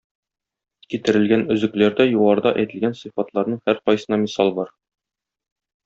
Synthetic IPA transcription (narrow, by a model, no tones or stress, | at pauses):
kit̪ɘ̆ɾɘ̆lɡænɵ̆zɘ̆klæɾd̪æjuʁɑɾd̪ɑʔæjt̪ɘ̆lɡænsɤfɑt̪lˠɑɾnɤɴhæɾqɒjsɤ̆nɑmʲisɑlˠbɒɾ